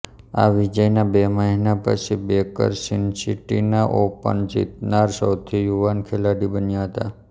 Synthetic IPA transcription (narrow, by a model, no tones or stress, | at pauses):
a̰ʋid͡ʒəjnabeməɦinapə̰t͡ʃʰibekə̰ɾsinsiʈinaʔopə̰ɳd͡ʒḭt̪naɾsəwt̪ʰijuʋankʰelaɽibənjaɦət̪a